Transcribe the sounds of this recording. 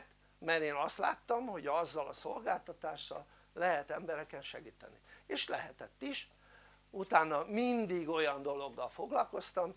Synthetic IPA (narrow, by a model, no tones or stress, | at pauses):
t̪ | mɛɾeːnɒst̪la̰ːt̪ːɒmho̞ɟɒzːɒlɒso̞lɡaːlt̪ɒt̪aːʃːɒ̰lː | ɛɦɛt̪ɛmbɛɾɛkɛnʃɛɡiːt̪ɛ̰nieːʃlɛɦɛt̪ɛt̪ːiʃ | ut̪aːnːɒmind̪iɡo̞jɒnd̪o̞lo̞ɡːɒlfo̞ɡlɒlko̞st̪ɒm